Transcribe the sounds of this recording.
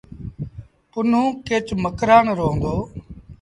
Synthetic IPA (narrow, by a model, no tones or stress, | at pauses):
ʊnũːkeːt͡ʃməkɾaːnɾoːnd̪oː